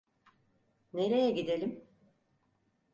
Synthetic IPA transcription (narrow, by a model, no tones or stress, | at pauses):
ne̞ɾe̞jɛɟid̪elʲim